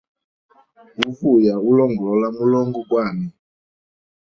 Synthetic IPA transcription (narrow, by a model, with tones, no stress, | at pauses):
u˦fu˦˨ja˨u˦lɔ˦˨ŋɡɔ˨lɔ˦la˦mu˦lɔ˦ŋɡɔ˦ɡwa˦˨nɛ˨